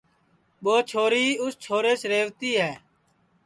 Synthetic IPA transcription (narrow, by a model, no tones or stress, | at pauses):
ɓoːt͡ʃʰoːɾiːʊst͡ʃʰoːɾeːsɾeːʋt̪iːɦɛː